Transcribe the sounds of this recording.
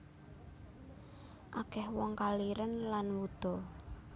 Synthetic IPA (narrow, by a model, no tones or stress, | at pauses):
ʔakɛhwɔŋkaliɾənlanwud̪̥ɔ̤